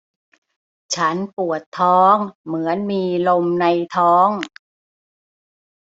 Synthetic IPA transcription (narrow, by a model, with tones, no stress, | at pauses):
t͡ɕʰa˦˥npu˨˩ət̪ʰːɔː˦˥ŋmɯ˩˦ənmiː˧lo˧mna˧jt̪ʰɔː˦˥ŋ